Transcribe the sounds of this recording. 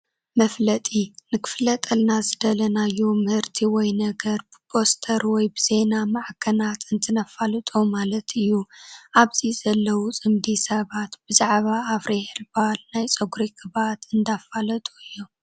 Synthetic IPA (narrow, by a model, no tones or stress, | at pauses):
mɐflɐt̪ʼinɨkʰɨ̥flɐt̪ʼɐlnazɨd̪ɐlɐnajːumɨhɨɾt̪ʰiwɔjnɐɡɐɾbɨbʰo̞st̪ʰɐɾwɔjbɨz̥e̞namaʕkʰɐnat̪ʰɨnt̪ʰɨnafalɨt̪ʼomalɐt̪ɨjːuʔaβziz̥ɐlːɐwut͡sʼɨmd̪isɐβat̪b̥ɨzaʕβaːfɾehlbalnajt͡sʼɐɡuɾikʰɨβat̪ɨnd̪afalɐt̪ʼuɨjːu